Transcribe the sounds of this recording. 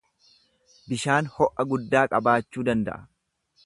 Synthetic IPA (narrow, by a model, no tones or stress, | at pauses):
bɪʃaːnhɔʔɐɡʊd̪ːaːkʼɐbaːt͡ʃːuːd̪ɐnd̪ɐ̰ʔɐ̥